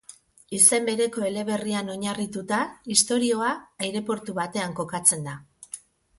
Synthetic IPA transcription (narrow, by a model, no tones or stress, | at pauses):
ise̞mbe̞ɾe̞ko̞e̞le̞βe̞riano̞ɲarit̪ut̪aist̪o̞ɾio̞aːjɾe̞po̞ɾt̪uβat̪e̞aŋko̞kat͡se̞nd̪a